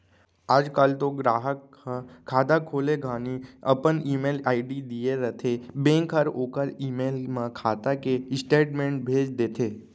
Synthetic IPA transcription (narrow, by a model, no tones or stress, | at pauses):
aːd͡ʒkalt̪oɡɾaːɦək | əkʰːaːd̪akʰoːleɡʱaːniə̰pəniːmeːlaːiɖid̪ijeɾət̪ʰebẽːŋkʰəɾoːkəɾiːmeːlmãkʰaːt̪akesʈeːʈmẽɳʈ̚bʱeːd͡ʒd̪eːt̪ʰeː